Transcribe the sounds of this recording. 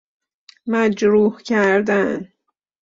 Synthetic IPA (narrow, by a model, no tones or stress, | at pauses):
mæd͡ʒɾuːhcʰæɾd̪æn